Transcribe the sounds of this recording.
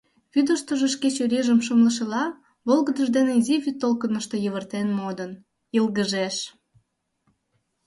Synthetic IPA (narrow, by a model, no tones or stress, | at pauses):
βyd̪əʃt̪oʒeʃket͡ɕølʲiʒəmʃəmləʃ̬elɑ | βolɣəd̪əʒd̪eneiziβyt̪ːolkənəʃt̪o̽jəβərt̪enmod̪ən | ilɣəʒeʃ